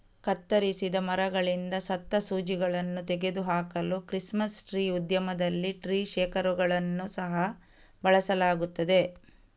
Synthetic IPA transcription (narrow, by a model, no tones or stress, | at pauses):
kɐt̪ːɐɾisid̪ɐmɐɾɐɡɐɭind̪ɐsɐt̪ːɐsuːd͡ʒiɡɐɭɐnːut̪eɡe̞d̪uɦaːkɐlukɾismɐsʈɾiːud̪jɐmɐd̪ɐlːiʈɾiːʃɛːkɐɾuɡɐɭɐnːusɐɦɐ | bɐɭɐsɐlaːɡut̪ːɐd̪e̞